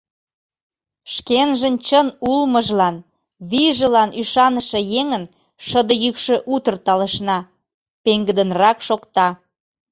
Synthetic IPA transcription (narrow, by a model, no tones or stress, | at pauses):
ʃkenʒənt͡ɕənulməʒlɑn | βiʒəlɑnʔyʃɑnəʃĕjeŋən | ʃəd̪əjykʃø̆ʔut̪ərt̪ɑlə̆ʃnɑ | peŋɡəd̪ənrɑkʃokt̪ɑ